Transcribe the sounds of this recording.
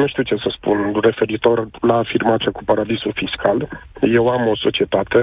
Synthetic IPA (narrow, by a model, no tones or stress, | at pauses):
nuʃt̪iwt͡ʃesəspṵnre̞fe̞ɾit̪o̞rlaːfirmat̪siakupaɾad̪isufiskʰalje̞wamo̞so̞t͡ʃie̞t̪at̪e̞